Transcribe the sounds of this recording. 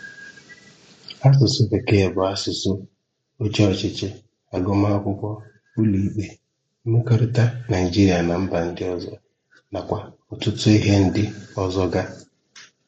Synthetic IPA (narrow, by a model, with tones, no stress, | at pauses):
a˦s̬ʊ˨sʊ˦ke˨ke˦˨bʊ˨a˦sʊ˨sʊ˦ | o˦t͡ʃɔ˦˨t͡ʃɪ˦t͡ʃɪ˦ | a˨ɡɔ˦m˦a˦a˦kʷʊ˦kʷɔ˦ | ʊ˦li˨˦k͡pe˨˦ | me˦ko˦ɾʊ˦ta˦na˨i˨d͡ʒi˦ɾi˨a˨na˨m̩˦ba˨n̩˨dɪ˦ɔ˦zɔ˦ | na˨kʷa˨ | ʊ˨tʊ˦tʊ˦i˦ɦe˦n̩˦dɪ˦ɔ˦zɔ˦ɡa˦